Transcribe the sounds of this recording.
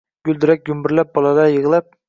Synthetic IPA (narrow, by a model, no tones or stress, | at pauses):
ɡ̥ʲʊld̪ɪɾak̚ʲɡʲʊmbɪɾlap̚bɒlˠɑd̪ajɤʁlˠap̚